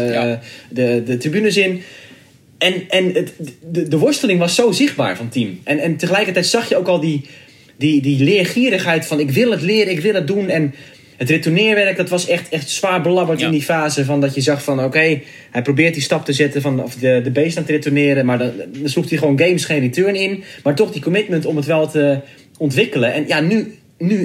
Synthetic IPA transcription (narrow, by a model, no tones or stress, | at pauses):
dədətribynəsɪn | ɛnɛnəədəʋʊɹstəlˠɪŋʋɔsːowzɪxtba̰ːɹfɔntimʔɛnɛntəxəlɛjkərtɛjtsɑxjəowkɔlˠdi | didilɪəxiəɾəxɦɛjtfɔnɪkʋɪlˠətlɪəɾəɪkʋɪlˠət̚dunɛn | hətretunɪːrʋɛrk̚dɔtʋɔsɛxtɛxtsʋaːɹbəlɑbərtɪndifaːzəfɔndɔtjəzɑxfɔnoːkej | hɛjprowbɪːrt̚distɑptəzɪtəfɔnɔfdədəbejstaːntəretənɪːɾəmaɹdɔndnslup̚tiχəʋoːnɡejmsχeːnritøːɹnɪnmaɹtɔxdikomɪtməntɔmətʋɛlˠtə | ɔntʋɪkələɛnjany | ny